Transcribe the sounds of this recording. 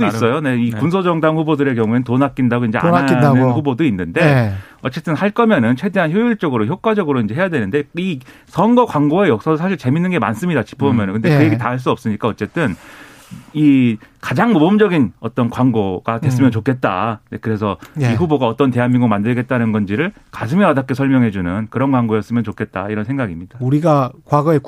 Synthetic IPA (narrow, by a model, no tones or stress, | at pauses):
uis͈ʌjone̞ikunsʰod͡ʑʌŋdaŋɸubodɯɾe̞k̬jʌŋue̞nɯntonak͈indaɡoind͡ʑe̞a̰anɯnɸubodoinːɯnde̞ | ʌt͡ɕ͈e̞t͈ɯnhaɭk͈ʌmjʌnɯnt͡ɕʰwe̞de̞ɦançjojuɭt͡ɕ͈ʌɡɯɾoçjok͈̚wad͡ʑʌɡɯɾoind͡ʑeɦejadwe̞nɯnde̞i | sʰʌnɡʌkwaŋɡoejʌk̚s͈adosʰaɕʰiɭt͡ɕe̞minːɯnɡe̞ma̰ns͈ɯmɲidat͡ɕi̥pʰomjʌnɯnkɯnde̞kɯje̞ɡetaaɭs̬͈uʌp̚s͈ɯɲik͈aʌt͡ɕ͈e̞t͈ɯn | ikad͡ʑaŋmobʌmd͡ʑʌɡinʌt͈ʌnkwaŋɡoɡ̥adwe̞s͈ɯmjʌnt͡ɕokʰe̞t̚t͈a̰ekɯɾe̞sʰʌiɸuboɡaʌt͈ʌnte̞ɦanmiŋɡumandɯɭɡe̞t̚t͈anɯnɡʌnd͡ʑiɾɯɭkasʰɯmiɾadak͈esʰʌɭmjʌŋɦe̞d͡ʑunɯnkɯɾʌnkwaŋɡoejʌs͈ɯmjʌnt͡ɕokʰe̞t̚t͈a̰iɾʌnsʰe̞ŋɡaɡimɲid̥auɾiɡakwaɡʌe